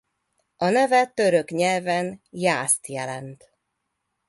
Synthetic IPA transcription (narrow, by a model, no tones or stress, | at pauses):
ʔɒnɛvɛt̪øɾøkɲɛlvɛnjaːst̪jɛlɛnt̪